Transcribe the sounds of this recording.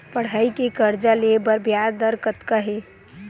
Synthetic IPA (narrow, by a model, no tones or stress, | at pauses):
pəɽ̤ɦəikekəɾd͡ʒalebəɾbjad̪əɾkət̪kəɦe